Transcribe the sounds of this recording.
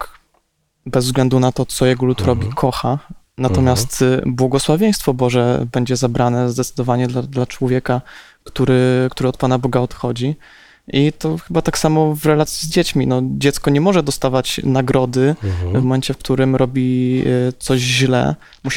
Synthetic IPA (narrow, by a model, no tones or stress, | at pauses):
bɛzvzɡlɛnd̪unat̪ɔt̪sɔjɛɡɔlut̪ɾɔbʲikʰɔxa | nat̪ɔmʲjast̪bwɔɡɔswavʲjeɛj̃st̪fɔbɔʐɛbɛɲd͡ʑɛzabɾanɛzd̪ɛt̪sɘd̪ɔvaɲɛd̪lad̪lat͡ʂwɔvʲjɛka | kt̪uɾɘkt̪uɾɘɔt̪̚panabɔɡaɔt̪xɔd͡ʑi | it̪ɔxɘbat̪aksamɔvɾɛlat̪sʲjizd͡ʑet͡ɕmʲinɔd͡ʑɛt̪skɔɲɛmɔʐɛd̪ɔst̪avat͡ɕnaɡɾɔd̪ɘvmɔmɛnt͡ɕɛfkt̪uɾɘmɾɔbʲit̪sɔɕʑlɛ̰ | muɕ